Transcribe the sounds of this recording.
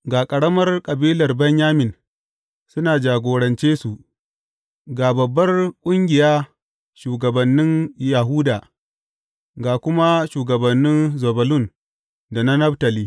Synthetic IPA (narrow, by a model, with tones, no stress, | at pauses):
ɡaː˨kʼɐ˨ɽɐ˦mɐ˦rkʼɐ˨biː˦lɐ˨rbɐ˦ɲjaː˦mɪ˨n | sʊ˦naː˨d͡ʒaː˨ɡʷoː˨ɽɐ˨nt͡ʃeː˦su˨ʔ | ɡaː˨bɐ˨bːɐ˦rkʷʼʊ˦ŋɡʲɪ˨jaː˦ | ʃuː˨ɡɐ˨bɐ˨nːɪ˦nja˨ɦʊː˦daː˨ | ɡaː˨kʷʊ˦ma˦ʃuː˨ɡɐ˨bɐ˨nːɪ˦nzo˨bɐ˨lʊ˦˨n | da˨na˦nɐ˦btɐ˨liː˦